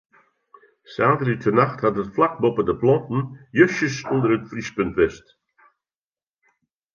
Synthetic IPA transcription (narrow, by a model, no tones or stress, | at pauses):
saːdəritʰənaxthatətflak̚bɔpədəplɔntn̩jøʃəsɔndərətfrispɵntvɛst